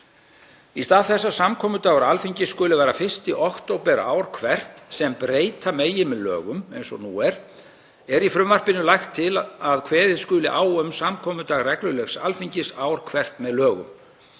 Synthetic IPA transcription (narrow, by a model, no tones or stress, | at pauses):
ist̪aːðθɛs̬ːasamkʰɔːmʏt̪aːɣaɾalfiɲcɪskʏːlɪvaːjɾafɪr̥st̪ɪʔɔht̪owpɛɾa̰ːwɾ̥kʰvɛr̥t̪sɛmpɾeːjt̪ʰameːjɪmɛðlœ̰ːɣʏmejnsɔnṵːɛɾ̥ | ɛɾifɾʏmvar̥pɪnʏlajxt̪ʰːɪlaðkʰvɛːðɪðskʏːlɪʔaːwœmsamkʰɔːmʏt̪aːɣrɛklʏlɛxsalfiɲcɪsaːwɾ̥kʰvɛr̥t̪mɛðlœːɣʏ̰m